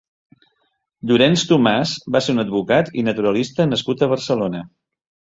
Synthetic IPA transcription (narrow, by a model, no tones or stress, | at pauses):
ʎuɾɛnst̪umazbaseɾunəd̪̚βukat̪ḭnət̪uɾəlist̪ənəskut̪əβ̞əɾsəlonə